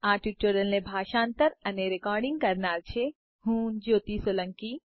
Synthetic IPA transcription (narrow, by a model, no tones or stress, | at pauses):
aːʈiʈoːɾəlnẽbʱaːʃãːnt̪əɾɐneɾɪkɔːɾɖɪ̃ŋɡ̚kɐɾnaːɾt͡ʃʰe | ɦuːnd͡ʒoːt̪isolə̃ŋki